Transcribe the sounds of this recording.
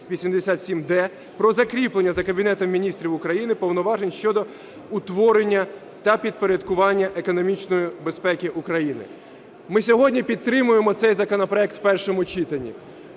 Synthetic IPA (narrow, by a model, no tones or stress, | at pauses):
ʋʲisʲimd̪esʲat̪sʲimd̪ɛ | pɾɔzɐkɾʲiplˠenʲːɐzɐkɐbʲinɛt̪ɔmːʲinʲist̪ɾʲiwʊkɾɐjinɪpɔwnɔʋɑʒenʲʃt͡ʃɔd̪ɔ | ʊt̪ʋɔɾenʲːɐ | t̪ɐpʲid̪̚poɾʲɐd̪kʊʋɑnʲːɐʔekɔnɔmʲit͡ʃnɔjibe̞spɛkʲɪʔukɾɐjinɪ̰ | mɪsʲɔɦɔdʲnʲipʲid̪̚t̪ːɾɪmʊjemɔt̪sɛjzɐkɔnɔpɾɔɛk̚t̪wpɛrʃɔmʊt͡ʃit̪ɐnʲːḭ